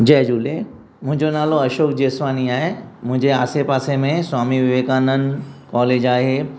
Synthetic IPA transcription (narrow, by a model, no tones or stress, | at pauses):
d͡ʑɛːd͡ʑuːle | mʊ̃ɦɪ̃ɲd͡ʑonaːloɐʃoːkd͡ʑeːsʋaːniaːɦemʊ̃ɦɪ̃ɲd͡ʑeaːsepaːsemẽswaːmiʋɪʋeːkaːnənɪ̆kɔːleːd͡ʑaːɦeː